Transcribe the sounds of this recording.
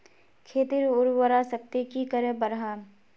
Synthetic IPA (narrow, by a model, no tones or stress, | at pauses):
kʰeːt̪iɾʊɾwəɾasɐk̚t̪ekikəɾẽbəɾɦaː